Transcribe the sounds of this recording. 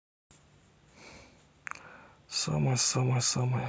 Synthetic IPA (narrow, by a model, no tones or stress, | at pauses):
sɔ̰mɛsɔmɛsɔmɛ